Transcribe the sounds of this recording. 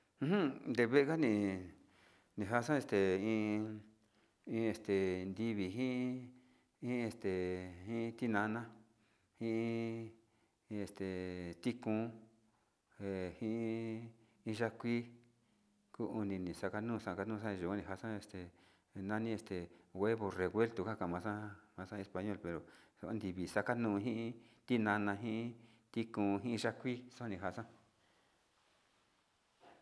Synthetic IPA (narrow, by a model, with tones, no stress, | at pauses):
hnd̪e˧βe˦ʔe˧ka˦nĩ˧ | nĩ˧˨ɦa˦sã˦e˧st̪e˨ĩ˧ | ĩ˧e˧st̪e˨nd̪i˧βi˨ɦĩ˦ | ĩ˦˧e˧st̪e˨ĩ˦t̪i˦nã˧˦˧nã˦ | hĩ˦i˦˧ | e˧st̪e˨t̪i˦kũ˧˦ | e˨hĩ˦ | ĩ˧ʒa˦kʷi˦ | ku˦u˧nĩ˧nĩ˨sa˧ka˧nũː˦˧sã˦˧˨ka˧nũ˦˧s̬ã˦˧ʒu˨a˦nĩ˧ɦa˧˨sã˦e˧st̪e˨ | nã˦nĩ˦e˧st̪e˨ɣwe˦βo˧re˨ɣwe˦lt̪u˨˧ka˦˧kã˨mã˧sã˦mã˧sã˦˧e˧spa˧ɲõ˦˨lpe˨ɾo˨so˧a˦nd̪i˨βi˨sa˦ka˦nũː˦˧ɦĩ˦ʔĩ˦t̪i˦nã˧nã˧ɦĩ˦ʔ | t̪i˦kũ˧ɦĩ˦ĩ˧ʒa˦kʷi˦so˦a˦˧nĩ˧ɦa˧˨sã˦